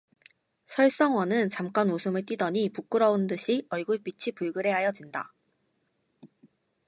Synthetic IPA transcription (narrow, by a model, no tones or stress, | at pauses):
sʰʌɭs͈ʌŋwʌnɯnt͡ɕamk͈anosʰɯmɯɭt͈ɥidʌɲipuk͈ɯɾʌundɯɕʰiʌɭɡuɭp͈it͡ɕʰipuɭɡɯɾe̞ɦajʌd͡ʑinda